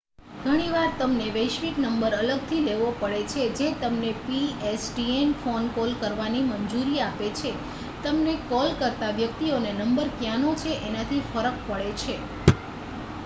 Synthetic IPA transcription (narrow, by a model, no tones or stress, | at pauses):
ɡʱəɽ̃iʋaɾt̪əmneʋəjʃʋiknəmbəɾələɡt̪ʰileʋopəɭet͡ʃʰed͡ʒet̪əmnepiesʈienfonkɔlkəɾʋaniməɲd͡ʒuɾiapet͡ʃʰe | t̪əmnekɔlkəɾt̪aʋjək̚t̪ionenəmbəɾkjanot͡ʃʰeʔenat̪ʰifəɾək̚pəɭet͡ʃʰe